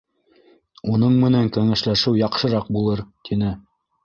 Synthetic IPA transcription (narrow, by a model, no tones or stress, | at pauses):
unɤɴmɘ̆næŋkæŋæʃlæʃɘwjɑqʃɤ̆ɾɑq̚bulˠɤɾt̪ʰinɘ